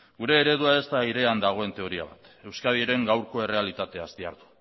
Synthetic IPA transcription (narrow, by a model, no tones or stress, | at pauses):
ɡuɾe̞ːɾe̞ðuae̞st̪aiɾe̞and̪aɣ̞o̞e̞nt̪e̞o̞ɾia̰βa̰t̪ | e̞wskað̞ieɾe̞ŋɡawɾko̞e̞re̞alit̪at̪e̞ast̪ia̰ɾðu̥